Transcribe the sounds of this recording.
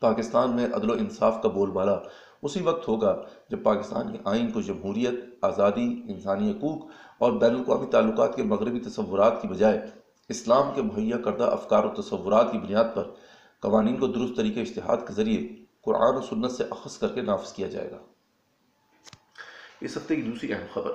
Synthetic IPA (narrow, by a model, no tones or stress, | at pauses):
paːkɪst̪aːnmẽʔɐ̰d̪loɪnsaːfkaboːlbaːla | ʊsiʋɐq̚t̪ɦoːɡad͡ʒɐb̚paːkɪst̪a̰ːnkiʔaːɪnkod͡ʒɐmɦuːɾijət̪aːzaːd̪iɪnsaːniɦɐkuːkɔːɾbɛːnəlkwaːmit̪aːlːʊkaːt̪kemɐɣɾɪbit̪ɐsɐʋːʊɾaːt̪kibɐd͡ʒaːe | ɪslaːmkemʊɦɐjːakɐɾd̪a̰ʔɐ̰fkaːɾot̪ɐsɐʋːʊɾaːt̪kibʊnijaːd̪̚pɐɾ | kɐʋaːniːnkod̪ʊɾʊst̪ːɐɾiːkeɪʃt̪ɪɦa̰ːd̪kezɐɾieqʊɾʔa̰ːnoːsʊnːət̪seʔɐxəskɐɾkenaːfɪ̥z̥kijad͡ʒa̰ːḛːɡa̰ː | ɪsɐft̪ekid̪uːsɾiʔɛɦəmxɐbəɾ